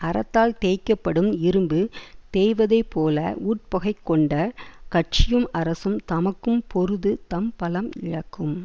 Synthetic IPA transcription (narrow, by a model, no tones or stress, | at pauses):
ɐɾɐt̪ːaːlt̪eːkːɐpːɐɽɯmɪɾɯmbɯt̪eːjʋɐðɐɪpːoːlɐ̰uːʈ̚pɐɣɐɪkːɔɳɖɐkɐʈ̚t͡ʃɪjɯmʔɐɾɐsɯmt̪ɐmɐkːɯmpɔɾɯðɯt̪ɐmpɐlɐmɪ̰ɻɐkːɯm